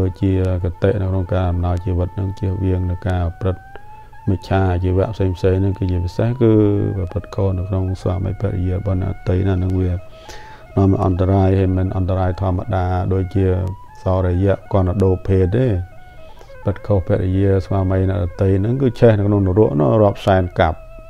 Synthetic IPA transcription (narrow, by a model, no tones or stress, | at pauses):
oːc̚t͡ɕiəkat̪eːʔnɨwkʰnoŋkaːʔɑmnaɔjt͡ɕiːʋɨt̪̚nɨŋt͡ɕiəhʋiəŋnɨwkaːprɨt̪̚ | mɨc̚t͡ɕʰaːʔat͡ɕiːʋɛ̆əʔpʰseːŋpʰseːŋnɨŋkɨːt͡ɕiəpisehkɨːppɨt̪̚kʰoːhnɨwkʰnoŋsʋa̰ːmə̰jpʰɛ̆ət̪̚jiəəɓɑnɛ̆əʔat̪ɨjnɨnɨŋʋiə | nɔ̆əmʔɑ̰nt̪aɾaːjhajminʔɑnt̪aɾaːjt̪ʰŏəmːaɗaːɗoːc̚t͡ɕiə | sɑːɾɔjɛ̆əʔkŏənːaɗoːpʰeːt̪ːeː | pɨt̪̚kʰohpʰɛ̆ət̪̚ɾijiəsʋaːməjnɛ̆əʔɗat̪ɨjnɨŋkɨːt͡ɕʰɛhnɨwkʰnoŋnuɾʊəʔnʊ̆ərŏəp̚saɛnka̰p̚